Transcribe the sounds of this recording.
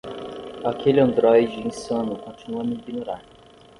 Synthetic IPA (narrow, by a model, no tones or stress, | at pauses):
akelɪɐ̃nd̪ɾɔjd͡ʒɪĩsɐ̃nʊkõt͡ʃinuɐmiɡinoɾaɾ